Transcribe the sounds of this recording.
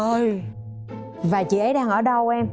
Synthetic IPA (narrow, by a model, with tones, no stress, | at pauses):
ʔəː˧j | vaː˨˩t͡ɕḭ˧˨ʔə˨˦jɗaː˧ŋʔəː˧˩ɗə˧wʔɛ˧m